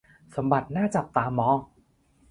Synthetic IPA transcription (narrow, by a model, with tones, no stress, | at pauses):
so˩˦mba˨˩t̪̚naː˥˩t͡ɕa˨˩p̚t̪aː˧mːɔː˧˥